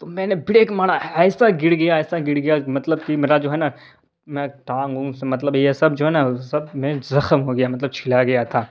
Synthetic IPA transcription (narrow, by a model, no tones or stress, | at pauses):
t̪omɛ̃ːnebɪɽeːkmaːɽaɛːsaɡɪɽɡɐjaɛːsaɡɪɽɡɐjamɐt̪ləbkimeːɾad͡ʒoːɦɛːna | mɛ̃ʈãːŋɡũsemɐt̪̬ləbjesɐbd͡ʒoːɦɛːnasɐbmẽzɐxəmɦoɡɐjamɐt̪ləb̚t͡ʃʰɪlaɡɐjat̪ʰaː